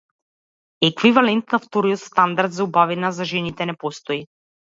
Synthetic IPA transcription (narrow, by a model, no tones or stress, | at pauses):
ɛkvivalɛnt̪naft̪ɔɾijɔt̪st̪and̪aɾd̪zaubavinazaʒɛnit̪ɛnɛpɔst̪ɔi